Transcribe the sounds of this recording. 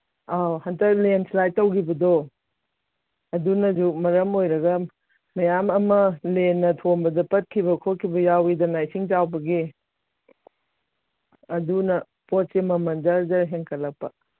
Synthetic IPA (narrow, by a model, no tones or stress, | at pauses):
awhɐntɐk̚lenslaj̚tːɐwkʰibɐdo | ɐdunɐd͡ʒumɐɾɐmojɾɐɡɐ | mɐjamɐmɐlenːɐtʰonbɐdɐpɐt̚kʰibɐkʰokʰːibɐjawidɐnajsiŋd͡ʒawbɐɡi | ɐdunɐ | pot̚semɐmɐndɐɾzɐɾɦeŋkʰɐlɐk̚pɐ